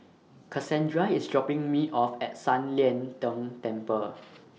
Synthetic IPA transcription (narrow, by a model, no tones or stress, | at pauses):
kʰasɛ̃ndɹaisdɹɔpɪ̃ŋmiʔɔfɛt̚sãnliɛ̃ntə̃mtɛ̃mpə